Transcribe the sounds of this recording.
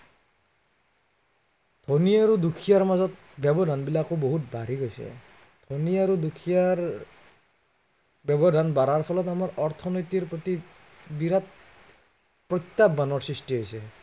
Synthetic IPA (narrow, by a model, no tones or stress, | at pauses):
d̪̥ʱonijaɾud̪ukʰijaɹmazɔt̪̚ | bjɔbɔdʱanbilakoboɦut̚bʱaɾiɡojsɛ̰ | d̪ʱoniaɾud̪ukʰijaɹ | bjɔbɔd̪ʱanbaɾaɹpʰɔlɔt̪amaɹʔɔɹt̪ʰɔnojt̪iɹpɔt̪i | biɾat̪̚ | pɹɔt̪jabːanɔɹsɹistiɦojsɛ